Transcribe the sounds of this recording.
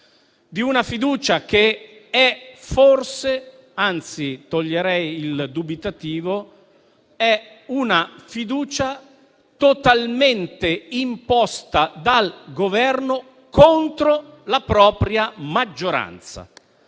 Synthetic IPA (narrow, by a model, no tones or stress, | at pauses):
d̪iunafid̪uːt͡ʃakeɛforse | ant̪sit̪oʎːeɾɛjild̪ubit̪at̪iːvo | ɛ | unafid̪uːt͡ʃa | t̪ot̪alment̪eimpɔst̪ad̪alɡovɛrno | kont̪ɾolapɾɔːpɾjamad͡ʒːoɾa̰nt̪sa̰